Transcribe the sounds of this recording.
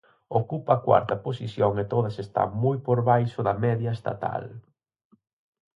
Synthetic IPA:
okupɐːkwa̰ɾt̪ɐposisjoŋet̪oðɐsest̪a̰ŋmujpoɾβajʃʊðɐmɛðjɐest̪a̰t̪a̰l

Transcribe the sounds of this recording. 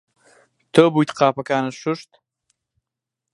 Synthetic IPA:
t̪ʰobujt̪qɑːpɐkaːnɐʃʊʂt̪

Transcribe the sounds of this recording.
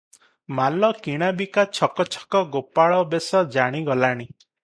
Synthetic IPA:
malɔkiɽ̃abikat͡ʃʰɔkɔt͡ʃʰɔ̥kɔɡopaɭɔbesɔd͡ʒaɽ̃iɡɔlaɽ̃i

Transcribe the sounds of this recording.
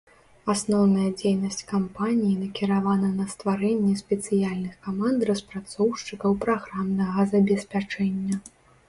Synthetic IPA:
asnɔwnɐjɐd͡zʲejnɐsʲt͡sʲkampanʲijinɐkʲiɾavanɐnɐst̪vaɾɛnʲːɛsʲpʲɛt̪sɨjalʲnɨxkamand̪rɐspɾat̪sɔwʂt͡ʂɨkɐwpɾaɣɾamnɐɣɐzɐbʲɛsʲpʲat͡ʂɛnʲːɐ

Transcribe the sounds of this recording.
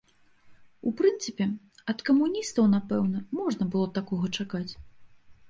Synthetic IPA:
upɾɨnt̪sɨpʲɛ | ɐt̪kɐmunʲist̪ɐwnapɛwnɐmɔʐnɐbɨlˠɔt̪akɔɣɐt͡ʂakat͡sʲ

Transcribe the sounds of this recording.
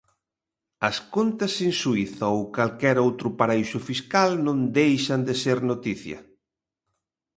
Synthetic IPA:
ɐskont̪ɐsensuiθɐowkalkɛɾowt̪ɾʊpaɾaisʊfiskalnõnd̪ejʃɐnd̪eseɾnot̪iθjɐ̰

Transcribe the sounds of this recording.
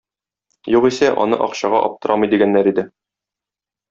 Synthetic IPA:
juqisæʔɒ̰nɤ̰ʔɒqɕɑʁɑ̰ʔɒ̰p̚t̪ɤ̆ɾʔɑmɤ̆jd̪iɡænːæɾid̪ɘ

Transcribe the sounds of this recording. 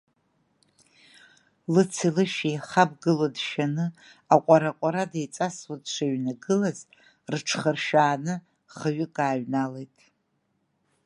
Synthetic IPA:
lɨt͡sʰilɨʃiχab̚ɡɨlodʃanɨ | aqʷʼaɾaqʷʼaɾadejt͡sʼaswadʂaɥnaɡɨlaz | rʈ͡ʂʰχərʃaːnɨ | χaɥʏkʼaːɥnale̞jtʼ

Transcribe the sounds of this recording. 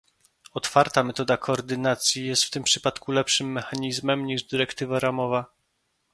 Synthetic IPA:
ɔt̪faɾt̪amɛt̪ɔd̪akʰɔɔːɾd̪ɘnat̪sʲjijɛst̪ft̪ɘmpʂɘpat̪kulɛpʂɘmːɛxaɲizmɛmɲiʐd̪ɘɾɛkt̪ɘvaɾamɔva

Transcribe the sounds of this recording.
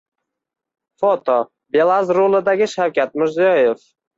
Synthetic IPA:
fot̪ʰo | be̞lˠazɾolˠɪd̪aɡʲɪʃawkʲat̪̚mɪɾzijɒjef

